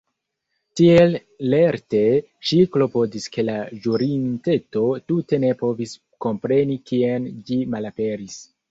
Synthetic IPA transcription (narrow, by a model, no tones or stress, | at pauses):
tiel | le̞ɾte̞ | ʃiklo̞po̞diske̞laʒuɾinte̞to̞tute̞ne̞po̞vis | ko̞mpɾe̞nikiend͡ʒimalape̞ɾis